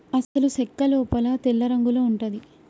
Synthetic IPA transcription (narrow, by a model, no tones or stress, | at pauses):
ɐsɐlusɛkːɐluːpɐlɐt̪ɛlːɐɾɐŋɡuloːuɳʈɐd̪i